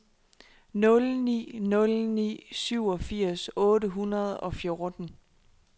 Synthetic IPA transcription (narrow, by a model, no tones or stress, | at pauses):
nɔ̽lnḭːnɔ̽lnḭːsyʊ̰ɒ̽fiɐ̰sɔ̽ːɾəɦunɐð̞ˠɒ̽fjo̝ɐd̥n̩